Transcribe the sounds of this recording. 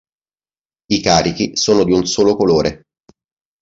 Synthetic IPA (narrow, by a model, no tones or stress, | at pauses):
ikaːɾik̟isoːnod̪iunsoːlokoloːɾe